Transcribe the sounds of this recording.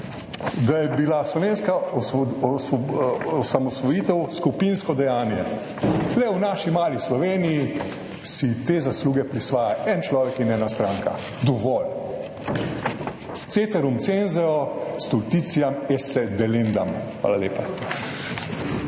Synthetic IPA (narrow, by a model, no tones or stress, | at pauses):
d̪ajɛbilaslɔʋeːnskaɔ | ɔsamɔsʋɔjiːt̪ɛwskupinskɔd̪ɛjaːnjɛ | lɛwnaːʃimaːlislɔʋeːniji | sit̪eːzasluːɡɛpɾisʋaːjaʔɛnt͡ʃlɔːʋɛkinɛːnast̪ɾaːŋka̰ | d̪ɔʋɔl | t̪seːt̪ɛɾumt̪senzɛɔst̪ult̪it̪sijamɛsɛd̪ɛlend̪amxʋa̰lalḛːpa